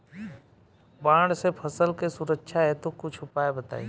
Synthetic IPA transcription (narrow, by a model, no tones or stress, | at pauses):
bãːɳɖsepʰəsəlkesʊɾəkːʃʰaɦɛt̪okʊt͡ʃʰʊpaːebɐt̪a̰ːḭ